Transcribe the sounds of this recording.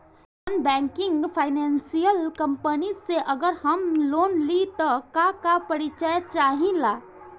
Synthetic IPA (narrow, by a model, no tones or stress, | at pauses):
ənbɛ̃ːŋkɪ̃ŋɡpʰaːɪnɛ̃nsijəlkə̃mpəniseʔəɡəɾhəmloːnlit̪ɔkakapəɾit͡ʃəjt͡ʃaːɦĩlaː